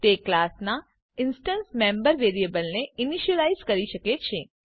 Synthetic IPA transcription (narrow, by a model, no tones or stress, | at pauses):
t̪eklasna | ɪnsʈənsmɛ̃mbəɾʋeɾiebəlneɪniʃiəlaizkəɾiʃəket͡ʃʰe